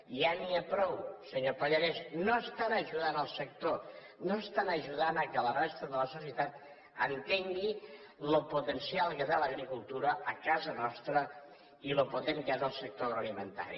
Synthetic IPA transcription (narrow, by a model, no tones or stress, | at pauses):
ʒaniəpɾɔwsəɲopoʎəɾesnoəst̪anəʒuðanəlˠsək̚t̪o | noəst̪anəʒuðanəkələrest̪əðələsusiət̪at̪ | ənt̪eŋɡi | loput̪ənsialˠkəðaləɣɾikulˠt̪uɾəəkazənɔst̪ɾə | iloput̪eŋkɛðəlˠsək̚t̪ooəlimənt̪a̰ɾḭ